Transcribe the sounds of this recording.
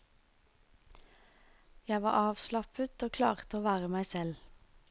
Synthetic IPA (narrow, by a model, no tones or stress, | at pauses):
jæɪʋɑ̰ːʁɑːʋslɑpət̪oːkʰlɑ̰ːʁt̪əoːʋæːʁəmæɪsɛl